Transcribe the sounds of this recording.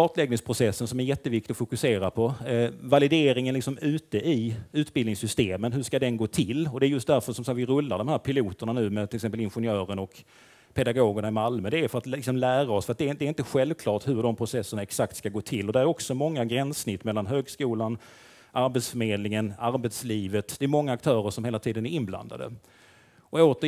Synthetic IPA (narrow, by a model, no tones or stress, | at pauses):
ɑːt̪lɛɡ̚nɪŋspʰɾʊsɛsːənsɔmæɾjɛt̪ːəvɪkt̪ɪɔfʊkɵseːɾapʰɔvalɪd̪eːɾɪŋənlɪksɔmʉ̟ːt̪əʔɪʉ̟ːt̪bɪlnɪŋsʏst̪eːmənɦɵʂkad̪ɛnɡoːt̪ʰɪlːɔd̪ɛæɾjɵst̪̚d̪æɾfœʂɔmsavɪɾɵlːa̰ɖɔmhæːɾpʰɪluːt̪əɳanʉ̟ːmɛt̪ɪlɪksɛmpəlɪnɧʊnjœːɾənɔk | pʰɛd̪aɡoːɡəɳaɪmalmɵd̪ɛæɾfœɾat̪ɪksɔmlæːɾaɔsfœɾat̪d̪ɛːd̪ɛɾɪnt̪əɧɛlvkʰlɑːʈhɵɾɖɔmpʰɾʊsɛsːəɳaɛksakt̪skaɡoːt̪ʰɪlːɔd̪ɛɾæɾɔksɔmɔŋːaɡɾɛnsnɪt̪ːmɛlːanɦøːɡskuːlan | ʔaɾbɛt̪sfœmeːd̪lnɪŋənaɾbɛt̪sliːvət̪d̪̥ɛːɾmɔŋːaːk̚t̪ʰœːɾəʂɔmheːlat̪ʰiːd̪ənæɾɪnbla̰nd̪a̰d̪ə̰ | ʔɔoːt̪ə